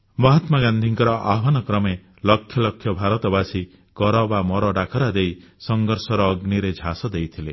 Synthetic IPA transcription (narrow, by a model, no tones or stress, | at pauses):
mɔɦat̪maɡand̪ʱiŋkɔɾɔʔa̰banɔkɾɔme | lɔkʰːjɔlɔkʰːjɔbʱaɾɔt̪ɔbasi | kɔɾɔbamɔɾɔɖakʰɔɾad̪ejsɔŋɡɔɾsɔɾɔːɡniɾed͡ʒʱasɔd̪ejt̪ʰile